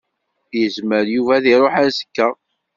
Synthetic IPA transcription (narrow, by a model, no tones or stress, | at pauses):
jəzməɾjuvæðiɾˤoħæɾsə̥kːæ